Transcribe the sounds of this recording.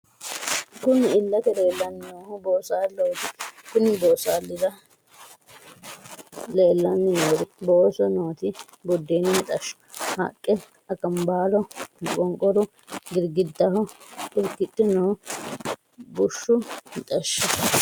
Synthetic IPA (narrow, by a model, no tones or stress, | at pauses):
kʊnɪɪlːɐt̪ɛle̞ːlːɐnnoːhʊboːsaːlːowt̪ɪkʊnɪboːsaːlːɪdɐ | le̞ːlːɐnːɪnoːd̪ɪboːsɔnoːt̪ɪ | bɔd̪ːeːnɪmɪt̪ʼɐʃːʊ̥hɐ̰kʼːɛ | ɐkʼɐmbaːlɔkʼɔŋkʼɔɾʊ | ɡɪɾɡɪd̪ːɐhɔkɪɾkːɪt̪ʼːɪnoː | bʊʃːʊmɪt̪ʼɐʃːɔ